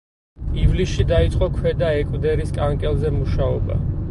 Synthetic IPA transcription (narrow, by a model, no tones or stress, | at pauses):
ivlisʃid̪ait̪sʼqʼɔkʰwɛd̪aɛkʼwd̪ɛɾiskʼaŋkʼɛlˠzɛmuʃaɔba̰